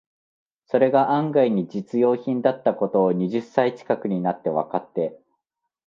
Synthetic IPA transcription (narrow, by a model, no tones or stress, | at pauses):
so̞ɾe̞ɡaʔãŋɡaiɲ̟id͡ʑit͡sɨjo̞ːçĩnd̪at̪ːako̞t̪o̞ːɲ̟iʑɨsːait͡ɕi̥kakɯ̟ɲ̟inat̪ːe̞βa̰kat̪ːe̞